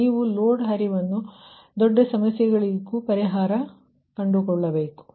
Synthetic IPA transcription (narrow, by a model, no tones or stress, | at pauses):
iːʋuloːɖɦɐɾiʋɐnːu | d̪ɔɖːɐsɐmɐsjɐɡɐɭiɡupɐɾiɦaːɾɐ | kɐɳɖukɔɭːɐbe̞ːku̥